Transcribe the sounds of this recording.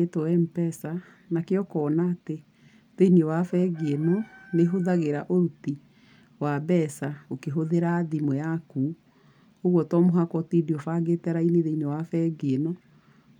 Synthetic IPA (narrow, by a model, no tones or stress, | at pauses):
etɔɛmpɛsa | nakeɔkɔːnaːte | ðeinewafɛɡeenɔneɦoðaɣeɾaʔoɾuti | wabɛsaokeɦoðeɾaːðimwɛaku | hoɣwɔtɔmoɦakɔtidiɔfaɡetɛɾaineðeinewafɛɡeenɔ